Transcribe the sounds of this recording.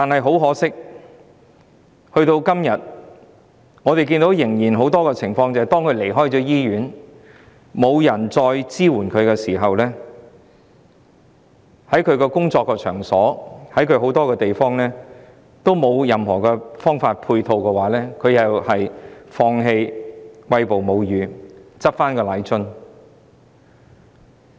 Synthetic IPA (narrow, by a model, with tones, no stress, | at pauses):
t̪aː˨˩nhɐ˨˩jɦo˨˥wɦɔː˨˥sɪ˥k̚ | hɵ˧ɥt̪o˧wkɐ˥mjɐ˨t̚ | ŋɔː˨˧t̪e˨jkiː˧nt̪o˨˥wjɪ˨˩ŋjiː˨˩nɦo˨˥wt̪ɔː˥kɛː˧t͡sʰɪ˨˩ŋfɔː˧ŋt͡sɐ˨ɐ˨˩t̪ɔː˥ŋkʰɵ˨˧ɥle˨˩jɦɔː˥jt͡sɔː˨˥jiː˥ɥyː˨˥n | mo˨˧wjɐ˨˩nt͡sɔː˧jt͡siː˥wuː˨˩nkʰɵ˨˧ɥkɛː˧siː˨˩ɦɐ˨wlɛː˥ | hɐ˨˥jkʰɵ˨˧ɥkɛː˧kʊ˥ŋt͡sɔː˧kːɔː˧t͡ʃʰœ̰ː˨˩ŋsɔː˨˥hɐ˨˥jkʰɵ˨˧ɥɦo˨˥wt̪ɔː˥kɛː˧t̪e˨jfɔː˥ŋlɛː˥ | t̪o˥wmo˨˧wjɐ˨mɦɔː˨˩kɛː˧fɔː˥ŋfaː˧t̚pʰuː˧jt̪ʰo˧wkɛː˧waː˨˥lɛː˥kʰɵ˨˧ɥjɐ˨whɐ˨jfɔː˧ŋɦe˧jwɐ˧jpo˨wmo˨˧wjyː˨˧t͡sɐ˥t̚faː˥nkɔː˧la˨˥jt͡ʃɵ˥n